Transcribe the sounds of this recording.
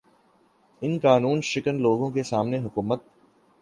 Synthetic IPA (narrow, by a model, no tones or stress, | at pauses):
ɪnkaːnuːnʃɪkənloːɡõkesaːmneɦʊkuːmət̪̚